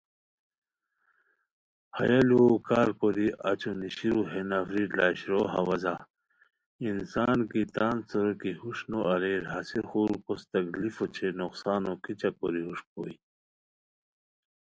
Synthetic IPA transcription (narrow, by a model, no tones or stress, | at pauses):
hɐjɐlukaːɾkoɾiʔɐ̰t͡ɕoniɕiɾuɦenɐfɾilaːɕɾoɦɐwɐza | insaːnkit̪aːnsoɾokihuʂnoʔɐɾeːɾɦasiɾxuːɾkost̪ɐklifot͡ɕʰenoqsaːnokit͡ɕakoɾiɦuʂpo̰i